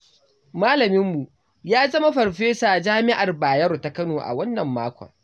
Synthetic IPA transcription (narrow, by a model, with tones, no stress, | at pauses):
maː˦lɐ˨mɪ˦mːu˨ | jaː˦zɐ˦ma˦ɸɐ˨ɽɸeː˦sa˨d͡ʒaː˦mɪ˦ʔa˨rbaː˨jɐ˦ɾta˨˦kɐ˦noː˨ʔa̰˨wɐ˦nːɐ˨mːaː˦kʷɔ̰˨ŋ